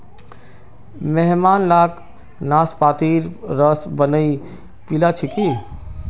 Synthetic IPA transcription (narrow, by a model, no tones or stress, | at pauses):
mɛɦmaːnlaːk | naːspaːt̪iɾɾəsbənəi | pilat͡ʃʰiki